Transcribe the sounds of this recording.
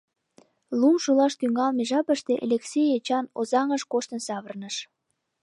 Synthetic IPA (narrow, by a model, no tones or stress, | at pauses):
lumʃulɑʃt̪yŋɑlmeʒɑpəʃt̪eʔelʲeksʲejet͡ɕɑnozɑŋəʃkoʃt̪ə̆nsɑβərnəʃ